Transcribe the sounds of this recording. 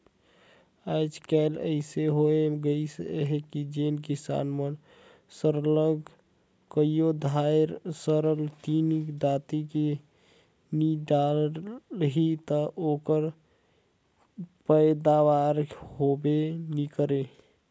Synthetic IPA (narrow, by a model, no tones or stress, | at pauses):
aɪd͡ʒkɛlə̰ɪseɦoeɡəisɦekid͡ʒenkisa̰nmən | səɾləɡ | kəijod̪ʱajɾsəɾəlt̪inkd͡ʒat̪ike | niɖalɦit̪əʔokəɾ | pəjd̪aʋaɾɦobenikəɾe